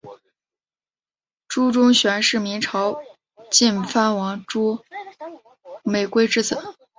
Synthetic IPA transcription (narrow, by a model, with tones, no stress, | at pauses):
ʈ͡ʂu˥ʈ͡ʂʊ˥ŋɕɥɛ˧˥nʂɻ̩˥˩mi˧˥ŋʈ͡ʂʰɑ˧˥ʊ | t͡ɕi˥˩nfa˥nwɑ˧˥ŋʈ͡ʂu˥ | me˨˩ɪkwe˥ɪʈ͡ʂɻ̩˥t͡sɤ˨˩˦